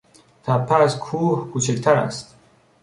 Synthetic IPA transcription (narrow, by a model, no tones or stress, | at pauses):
t̪ʰapʰaskʰuhɡut͡ʃʰɛkt̪ʰaɾa̰st̪